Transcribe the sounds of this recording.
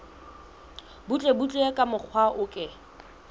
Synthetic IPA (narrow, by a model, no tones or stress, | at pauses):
but͡ɬʼebut͡ɬʼekʼamʊk͡xʰwaʔʊkʼɪ